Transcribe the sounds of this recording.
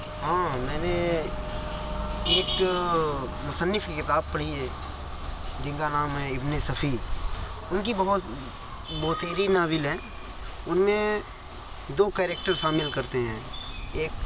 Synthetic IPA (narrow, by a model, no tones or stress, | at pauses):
ɦãːmɛ̃ːne | eːk | mʊsənːɪfkikɪt̪aːb̚pɐɽ̤iɦɛ̃ː | d͡ʒɪ̃ŋkanaːmɦɛ̃ɪbnesɐfʰi | ʊnkibɐɦʊt̪ | bɔːt̪eːɾinaːʋɪlɦɛ̃ː | ʊnmẽ | d̪oːkɛːɾek̚ʈəɾʃaːmɪlkɐɾt̪eɦɛ̃ːeːk